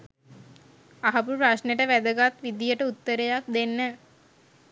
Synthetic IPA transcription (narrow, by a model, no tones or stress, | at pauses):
aɦɐpupɾaʃneʈəʋæd̪əɡat̪ʋid̪ijəʈəut̪ːəɾejak̚d̪enːə